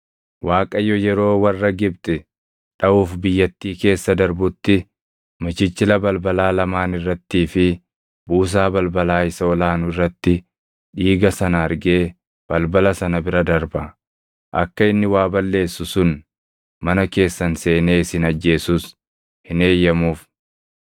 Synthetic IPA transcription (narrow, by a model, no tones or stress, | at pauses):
waːkʼɐjɔjɛɾo̞ːwɐrːɐɡɪb̚t̪ʼɛ | ᶑɐuːfbɪjːɐt̪ːiːke̞ːsːɐd̪ɐɾbʊt̪ːɪ | mɐt͡ʃɪt͡ʃːɪlɐbɐlbɐlaːlɐmaːnɪrːɐt̪ːiːfɪ | buːs̬aːbɐlbɐlaːɪsɐɔlaːnʊɪrːɐt̪ːɪ | ᶑiːɡɐsɐnɐɐɾɡe̞ː | b̥ɐlbɐlɐsɐnɐbɪɾɐd̪ɐɾbɐ | ʔɐkːɐɪnːɪwaːbɐlːe̞ːsːʊsʊn | mɐnɐke̞ːsːɐnse̞ːne̞ːsɪnɐd͡ʒːe̞ːsʊs | hɪne̞ːjːɐmuːf